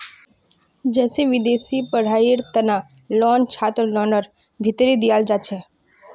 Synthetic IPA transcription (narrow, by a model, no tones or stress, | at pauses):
d͡ʒɛːseʋɪd̪esipəɽ̤aiɾt̪əna | lɔnt͡ʃʰaːt̪ɾlɔːnəɾ | bʱɪt̪ɾid̪ijald͡ʒat͡ʃʰe